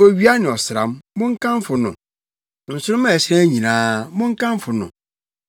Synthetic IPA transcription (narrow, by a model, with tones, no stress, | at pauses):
o˦ɥi˦a˦nɪ̃˨ɔ˨sɪ˨ɾa̰˨mmʊ̃˦ŋ˦kʰã˦m˦fʊ˨nʊ̰̃˨ | n̩˨sʊ˦ɾʊ̃˦m̃˦˨ɕɪ˦ɾã˦ɲĩ˨nãː˦mʊ̃˦ŋ̩˦kʰã˦m˦fʊ˨nʊ̰̃˨